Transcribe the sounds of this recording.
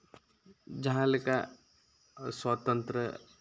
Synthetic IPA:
d͡ʒɐɦãləka | swat̪ə̃nt̪ɾə

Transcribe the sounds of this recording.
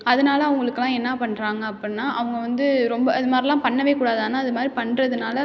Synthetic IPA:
ɐðɯnaːlɐɐʋɐŋɡɐɭɯkːɯlãːɛnːapɐɳːɾaːŋɡɐɐpːɐɽɪnːaːʔɐʋɐŋɡɐʋɐnd̪ɯɾɔmbɐɐðɯmaːdɾilãːpɐɳːɐʋeːkuːɽaːðaːnːaːɐðɯmaːd̪ɾipɐɳːɾɐðɯnaːlɐ

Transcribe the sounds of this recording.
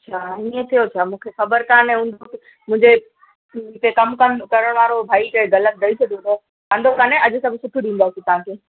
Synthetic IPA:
ɕʰaːiẽt̪ʰijot͡ɕʰaːmũːkʰexɐbəɾkaːnẽɦʊ̃nd̪ʱok | mʊ̃ɦɪ̃ɲd͡ʑẽ | k̪ekɐmkɐmkɐɾəɽ̃ʋaːɾobʱaːikɐɡɐlət̪̚ɾɐisʰɐd̪ʱot̪ɐ | ãːnd̪ʱokaːnẽɐd͡ʑʊsɐbʱɪsʊʈʰuɗĩːn̆d̪asit̪ɐʋ̤ãːkʰeː

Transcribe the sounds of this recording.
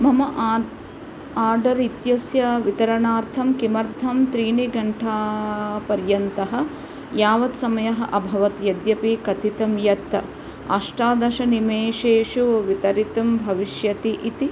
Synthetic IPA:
mɐmɐʔ | aːɖɐɾit̪jɐsjɐʋit̪ɐɾɐnaːɾt̪ʰɐmkimɐɾd̪ʱɐmt̪ɾiːniɡɐɳʈʰaːpɐɾjɐnt̪ɐɦɐ̆ | jaːʋɐt̪sɐmɐjɐɦɐ̆ʔɐbʱɐʋɐt̪jɐd̪jɐpikɐt̪it̪ɐmjɐt̪ːɐ | ɐ̰ʂʈaːd̪ɐʃɐnimeːʃeːʃuʋʋit̪ɐɾit̪ɐmbʱɐʋiʃjɐt̪iʔit̪i

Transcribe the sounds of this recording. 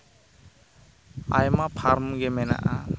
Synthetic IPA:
ajmapʰaɾmɡɛmɛna̰ʔa

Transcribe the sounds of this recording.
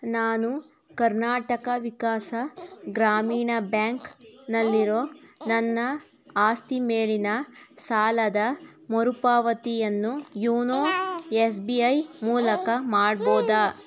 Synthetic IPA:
naːnu | kɐɾnaːʈɐkɐʋikaːsɐɡɾaːmiːɳɐbjaːŋknɐlːiɾoːnɐnːɐ | aːst̪imeːɭinɐsaːlɐd̪ɐ | moɾupaːʋɐt̪ijɐnːujuːnoːes̬biɐjmuːlɐkɐmaːɽboːd̪aː

